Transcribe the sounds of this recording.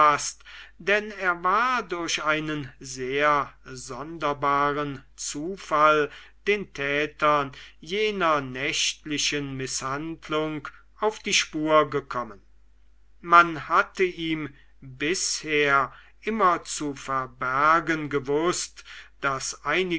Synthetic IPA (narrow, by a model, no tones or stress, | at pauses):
astd̥ɛneːɐvaːɐdʊɐɕaɪnənzeːɐzɔndɐbaːʁənt͡suːfald̥eːntʰɛːtɐnjeːnɐnɛʃtlɪʃənmɪshantlʊŋk | aʊfd̥iːʃpuːɐɡəkʰɔmən | manhatəʔiːm | bɪsheːɐ | ʔɪmɐt͡sufɛɐbæɐɡənɡəvʊstd̥asʔaɪnɪ